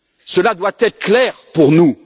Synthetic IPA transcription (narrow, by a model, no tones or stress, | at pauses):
səlad̪wat̪ɛt̪χəklɛːʁpuʁnu